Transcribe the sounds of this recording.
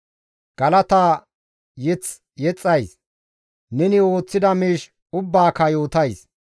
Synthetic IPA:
ɡ̥ɐlɐt̪aː | jɛt͡s | jɛt͡sʼːɐjs | nɛnɪo̞ːt͡sːɪd̪ɐmiːʃ | ʊbːaːkɐjo̞ːt̪ɐjs

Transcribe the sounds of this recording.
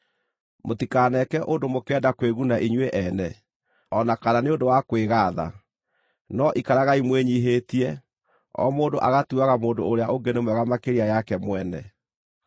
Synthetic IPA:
motikaːnɛkɛʔondomokɛdakweɣunaʔiɲweʔɛnɛ | ɔnakananeondowakweɣaːða̰ | nɔʔikaɾaɣaimweɲiɦetiɛ | ɔ̰moːndoʔaɣatuaɣamoːdoːɾeaʔoŋɡenemwɛɣamakeɾiajakɛmwɛnɛ̰

